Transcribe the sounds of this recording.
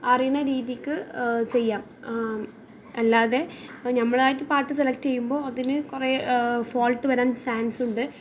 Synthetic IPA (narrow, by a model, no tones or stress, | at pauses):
ɐrijunːɐɾiːðijɐkʲːɨt͡ɕe̞jːaːm | ɐlːaːðe̞nɐmːɐɭaːjitːɨpaːʈːɨselɐkʈːt͡ɕe̞jːumbo̞ːɐðinɨkurefoːlʈːɨʋɐɾaːnsaːnsuɳɖɨ